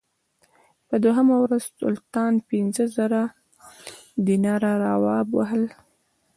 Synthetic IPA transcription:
pəd̪oɦamawɾaz̥tʊ̰lt̪ɑnpinzəzəɾa | d̪inɑɾaɾawɑbwa̰ɦəl

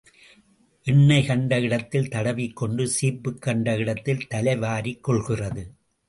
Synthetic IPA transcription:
ʔɪɳːɐɪkɐɳɖɐɪɽɐt̪ːɪlt̪ɐɽɐʋikːɔɳɖɯsiːpːɯkːɐɳɖɐɪɽɐt̪ːɪlt̪ɐlɐɪʋaːɾikːɔɭɣɪrɐðɯ

